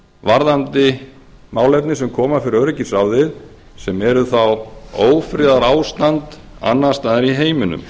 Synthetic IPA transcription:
vaɾðant̪ɪ | maːwlɛp̪nɪsɛmkʰɔːmafɪɾɪɾœɾɪcɪsawðɪð | sɛmɛɾʏθawoːwfɾɪːðaɾaːwst̪ant̪ | a̰nːast̪aðaɾiɦeːjmʏnʏ̰m

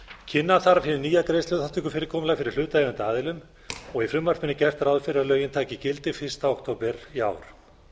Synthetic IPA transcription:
cʰɪnːaθaɾafɪɾɪniːjak̪ɾejst̪œːðθhat̪ʰʏkʏfɪɾɪɾkʰɔːmlafɪɾɪɾ̥l̥ʏːt̪aevɛnt̪ɪaːðɪlʏm | ɔɣifɾʏmːar̥t̪ʰmɪnːɪcɛr̥t̪aɾawðfɪɾɪɾalœːɥjɪnt̪ʰaːcɪcɪlt̪ɪfɪst̪aokt̪ʰoːwpɛɾ̥ia̰ːwɾ̥

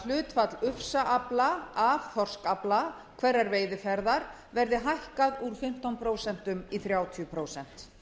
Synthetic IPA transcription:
l̥ʏːt̪fat̪lʏfsaʔaplaavθɔr̥skapla | kʰvɛɾːaɾveːjðɪfɛɾðaɾ̥ | vɛɾðɪɦajhkaðuɾ̥fɪm̥t̪ɔnpʰɾoːwsɛn̥t̪ʏmiθɾjaːwt̪ʰjʏpʰɾoːwsɛn̥t̪

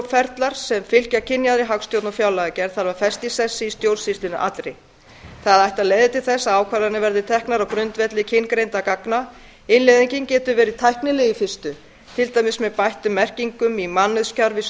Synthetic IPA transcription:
fɛɾt̪laɾ̥sɛmfɪl̥cacʰɪnjaðɾɪɦawkst̪jowt̪nafjaːwlaɣacɛɾ̥θaɾvaɾfɛst̪isɛsːɪist̪jowlsist̪ɪnʏʔa̰t̪ɾɪj | θaðajht̪aðlejðɪt̪ʰɪlθɛsːaaːwkʰvaɾanɪvɛɾðɪt̪ʰɛhknaɾawkɾʏnt̪vɛt̪lɪcʰɪnkɾejnt̪akakna | ɪnlɛjðiɲcɪncɛːt̪ʏvɛːɾɪðt̪ʰajhknɪlɛjɪfɪst̪ʏ | t̪ʰɪlt̪ajmɪsmɛðpajht̪ʏmːɛr̥ciŋkʏmimanːʏðscaɾvɪ

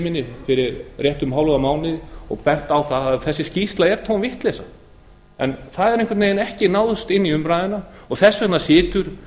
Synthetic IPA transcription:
mɪnːɪfɪɾɪɾrjɛht̪ʏmɦawlʏɣamaːwnɪðɔ̰ɣpɛn̥t̪awθaðaðθɛsːɪscist̪laɛɾ̥t̪ʰownvɪht̪lɛsa | ɛnθaðɛɾẽŋkvɪt̪nejɪnɛhcɪnaːwðʏst̪ɪnːiʏmɾaːjðɪnaɔɣθɛsːɛnːasɪːt̪ʏɾ̥

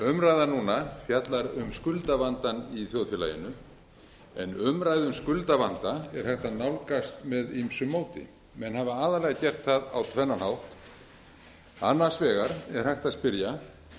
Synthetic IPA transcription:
ʏmɾajðanuːnafjat̪laɾʏmskʏlt̪avant̪aniθjowðfjɛla̰jɪ̰nʏ | ɛ̰nʏmɾaːjðʏmskʏlt̪avant̪aɛɾ̥hajht̪aðnawlkast̪mɛðimsʏmːoːwt̪ɪ̰ | mɛnhavaaːðaɾlɛɣacɛr̥t̪θaða̰wt̪ʰvɛnːalhawht̪ | a̰nːḁsvɛːɣaɾɛɾ̥hajht̪aðspɪɾja

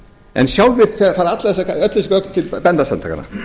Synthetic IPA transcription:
ɛ̰nsjaːwvɪðfɛfaːɾat̪laðɛsːaaœt̪lɪskœk̪t̪ʰɪlpɛnt̪asant̪ʰa̰ka̰na̰

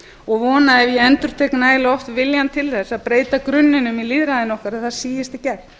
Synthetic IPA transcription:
ɔɣvɔːnaðɛvjɛɛnt̪ʏɾ̥t̪ʰeknaːjlɪɔft̪vɪljant̪ʰɪlθɛsːaðpɾeːjt̪akɾʏnːɪnʏmiliðɾaðɪnɔhkaɾaðθaðsiːjɪst̪ɪcɛɾ

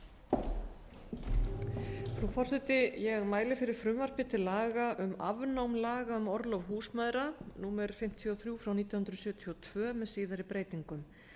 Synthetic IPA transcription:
fɾufɔr̥sɛt̪ɪjɛɣmaːjlɪfɪɾɪɾ̥fɾʏmvar̥pɪt̪ʰɪlaːɣaʔʏma̰vnawmlaːɣaʏmɔɾlɔvɦuːsmaðɾanuːmɛɾfɪm̥t̪ʰiɔθɾjuːfɾawniːt̪jahʏnɾʏsjœːt̪ʰiɔt̪ʰvœːmɛðsiːðaɾipɾeːjt̪iŋkʏm

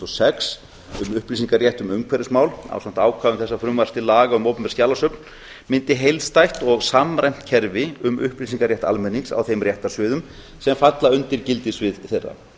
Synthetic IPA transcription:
ɔsɛks | ʏmʏhplis̬iŋkaɾrjɛht̪ʏmʏmkʰvɛɾɪsmaːwla̰wsam̥t̪aːwkʰvaːðʏmθɛsːafɾʏmvaɾ̥st̪ɪlaːɣaʏmowpʏnpɛɾskcjaːlasœpn | mɪnt̪ɪɦejlðst̪ajht̪ɔɣsamɾajm̥t̪̚cʰɛɾvɪʏmʏ̰hpliːsiŋkaɾrjɛht̪a̰lmɛnːiŋsa̰wθejmrjɛht̪aɾ̥sʏːðʏm | sɛmfat̪laʏnt̪ɪɾcɪlt̪ɪsvɪðθejrːa̰

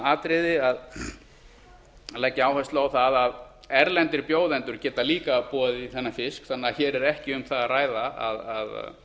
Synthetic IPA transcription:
aːt̪ɾɪðɪað | laːjcːaaːwhɛst̪laawθaðað | ɛɾlɛnt̪ɪɾpjoːwðɛnt̪ʏɾ̥cɛːt̪aliːkapuːaðɪiθɛnːafɪskθanːaçɛɾɛɾɛhcɪʏmθaðaraːjðaa̰ða̰ð̰

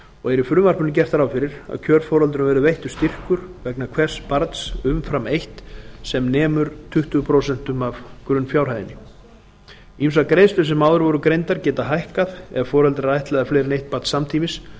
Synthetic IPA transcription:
ɔɣɛɾifɾʏːmar̥pʏnɪcɛr̥t̪aɾaːwfɪɾɪɾa̰ðcʰœːɾfɔːɾalt̪ʏɾʏmvɛːɾʏvejht̪ʏ̥st̪ir̥kʏɾ̥vɛknakʰvɛr̥spaɾt̪sʏmfɾamejht̪sɛmnɛːmʏɾt̪ʰʏht̪ʏpʰɾoːwsɛn̥t̪ʏmavkɾʏnːfjaːwɾ̥hajðɪnɪ | imsakɾejst̪ʏsɛmawðʏɾvɔɾʏkɾejnt̪aɾcɛːt̪aɦajhkaðɛ̰ɣfɔːɾalt̪ɾaajht̪lɛɣaflejɾɪnejht̪̚pat̪samt̪ʰiːmɪs

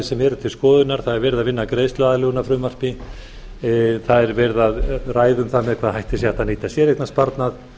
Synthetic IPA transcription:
sɛmɛɾʏt̪ʰɪlskɔːðʏnaɾ̥θaðɛɾvɛːɾɪðaðvɪnːakɾeːjst̪laːðalʏːɣʏnafɾʏːmar̥pɪ | θaðɛɾvɛɾðaðraːjðʏmθamɛðkʰvaːðhajht̪ɪs̬jɛɛt̪aniːt̪asjɛɾehknaspaɾt̪nað

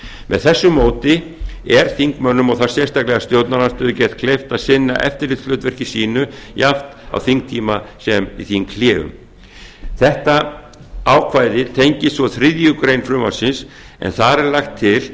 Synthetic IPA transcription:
mʔɛ̰ðθɛsːʏmoːwt̪ɪ | ɛɾ̥θiŋkmœnːʏmɔɣθḁsjɛrst̪aklɛɣast̪jowt̪nanast̪ʏːðʏcɛːt̪̚kʰlejft̪aðsɪnːa̰ʔɛ̰ft̪ɪɾlɪt̪flœɥt̪vɛr̥cɪ̥siːnʏjaft̪a̰wθiŋk̚t̪ʰiːmasɛmḭθiːnkʰlɛːɣʏ̰m | θɛht̪a | aːwkʰvaːjðɪt̪ʰejɲcɪst̪vɔθɾɪðjʏkɾejnfɾʏmasɪns | ɛ̰nθaɾɛɾlajxt̪ʰːɪl

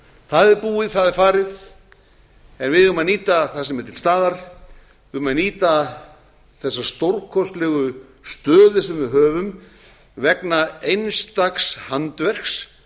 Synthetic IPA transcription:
θaðɪɾpuːɪðθaðɪɾfaːɾɪð | ɛnvɪðʏmaniːt̪aθasɛmɛɾt̪ʰɪlst̪aːðaɾ̥ | ʏmaniːt̪a | θɛsːast̪owɾkʰɔst̪lɛɣʏ | st̪œːðʏsɛmvɪðɦœːvʏm | vɛknaejnst̪akshant̪vɛr̥ks

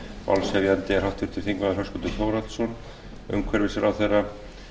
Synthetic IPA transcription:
a̰lsɛvjant̪ɪɛɾ̥hawht̪vɪɾ̥t̪ʰɪɾ̥θiŋkvaðɾlɦœskʏnt̪ʏθjowɾat̪sɔn | œ̰wŋkʰvɛɾvɪsɪɾʔawθejrːa

